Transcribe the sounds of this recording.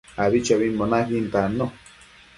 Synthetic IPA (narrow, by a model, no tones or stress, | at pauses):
aβit͡ʃaβimmonaɦint̪ano